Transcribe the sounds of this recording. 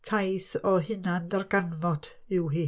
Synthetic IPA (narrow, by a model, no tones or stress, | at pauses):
tʰajθɔɦɪnandɛrɡanvɔd̥ | ɪwɦiː